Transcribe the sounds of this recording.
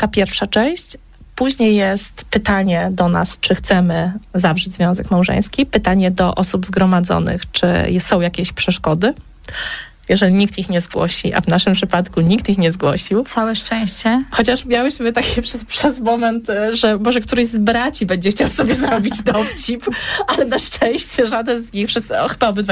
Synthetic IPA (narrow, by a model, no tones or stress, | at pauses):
k̪apʲjɛɾfʂat͡ʂɛ̃w̃ɕt͡ɕ | puʑɲejːɛst̪pɘt̪aɲɛd̪ɔna̰st͡ʂɘxt̪sɛmɘzavʐɛd͡ʑzvʲjɔ̃w̃zɛkmawʐɛ̰̃j̃skʲipɘt̪aɲɛd̪ɔʔɔsubzɡɾɔmad̪zɔ̰nɘ̰xt͡ʂɘ̰jsɔ̃w̃jakʲeɕpʂɛʂkɔd̪ɘ | jɛʐɛlʲiɲikt̪ixɲɛzɡwɔ̰ɕḭʔa̰vnaʂɘmpʂɘpat̪kuɲikt̪ixɲɛzɡwɔɕiwt̪sawɛʂt͡ʂɛ̃w̃ɕt͡ɕɛxɔt͡ɕaʂmʲjawɘɕmɘt̪akʲʰɛpʂɛpʂɛzmɔmɛnt̪ʐɛbɔʐɛkt̪uɾɛʑzbɾat͡ɕibɛɲd͡ʑɛxt͡ɕawsɔbʲjɛzɾɔbʲid͡ʑd̪ɔft͡ɕipalɛnaʂt͡ʂɛ̃w̃ɕt͡ɕɛʐad̪ɛnzɲixpʂɛɔxɘbaɔbɘd̪va